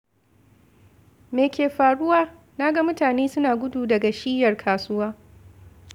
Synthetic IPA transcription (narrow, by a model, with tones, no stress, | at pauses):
meː˨kʲeː˨ɸaː˨ɽʊ˦waː˦ | naː˦ɡa˦mʊ˦taː˨neː˦sʊ˦naː˨ɡʷʊ˦duː˨dɐ˨ɡa˨ʃiː˦jɐ˨rkʰaː˨sʊ˦waː˦